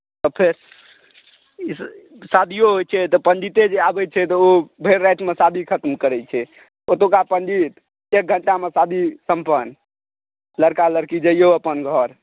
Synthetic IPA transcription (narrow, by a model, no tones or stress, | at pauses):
t̪ɔpʰeɾ | s | sad̪ʱijoɦojt͡ʃʰɛt̪ɔpənd͡ʒit̪ed͡ʒeabɛt͡ʃʰɛt̪ɔobʱeɾːajt̪mesad̪ʱikʰət̪mkəɾɛt͡ʃʰɛ | ot̪okapənd͡ʒit̪ | ek̚ɡʱəɳʈamesad̪ʱisəmpənː | ləɾkaləɾkid͡ʒəijoəpənɡʱəɾ